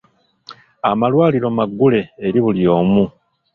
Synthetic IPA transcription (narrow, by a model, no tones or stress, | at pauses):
a̰malwaːliɾo̞maɡːule̞ːɾiβuljo̞ːmu